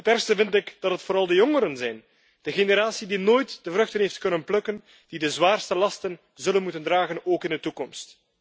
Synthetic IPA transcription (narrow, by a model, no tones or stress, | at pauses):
ətɛrstəvɪntɪkd̥ɑtɦətfoːɾɑlˠdəjɔŋəɾənzɛjn | d̥əɣeneɾaːsidinoːjtd̥əvrɵxtənɦeftkɵnənplɵkən | d̥idəzwaːrstəlɑstən | zɵlənmutəndraːɣənoːkɪndətukɔmst